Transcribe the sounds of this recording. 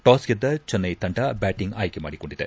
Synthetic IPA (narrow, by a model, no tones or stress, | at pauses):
ʈaːsɡed̪ːɐt͡ʃɐnːɐjt̪ɐɳʈɐbaːʈiŋɡaːjkema̰ːɽiko̞ɳɖid̪e